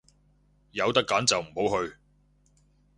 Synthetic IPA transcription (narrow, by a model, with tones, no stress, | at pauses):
jɐ˨˧wt̪ɐ˥kːaː˨˥nt͡sɐ˨wm̩˨˩ho˨˥wɦɵ˧ɥ